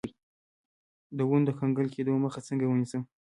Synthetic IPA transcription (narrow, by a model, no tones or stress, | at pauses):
d̪əwund̪əkaŋɡəlkʰed̪oməxat͡səŋɡawənisəm